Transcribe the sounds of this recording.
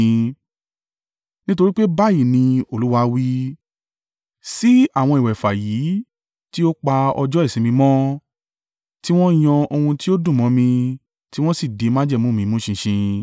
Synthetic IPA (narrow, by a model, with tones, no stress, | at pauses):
nĩ˦to˧ɾi˦k͡pe˦ba˦˨ji˦˨nĩ˧o˦˨lu˦wa˧wi˦ | si˦a˦˨w̃ɔ̃˧i˨wɛ˨fa˨ji˨˦ | ti˦o˦k͡pa˧ɔ̰˧d͡ʒɔ˦i˦˨sĩ˨˧mĩ˧mɔ̃˦ | ti˦w̃ɔ̃˦j̃ɔ̃˧o˧hũ˧ti˦o˦dũ˦˨mɔ̃˨˦mĩ˧ | ti˦w̃ɔ̃˦si˦˨de˨˧mã˦d͡ʒɛ˦˨mũ˦mĩ˧mũ˦ʃĩ˧ʃĩ˧